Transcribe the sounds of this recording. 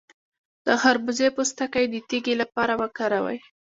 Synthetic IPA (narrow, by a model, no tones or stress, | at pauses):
d̪̥əxaɾbʊzepəst̪akajd̪ət̪iɡilapɑɾawəkaɾawa̰j